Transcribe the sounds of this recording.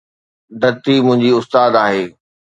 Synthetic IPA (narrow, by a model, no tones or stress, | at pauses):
ɖɐt̪imʊ̃ɦɪ̃ɲd͡ʑiʊst̪aːd̪aːɦeː